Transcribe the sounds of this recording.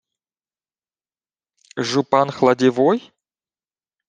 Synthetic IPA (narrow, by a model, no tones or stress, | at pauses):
ʒʊpanxlˠɐdʲɪvoj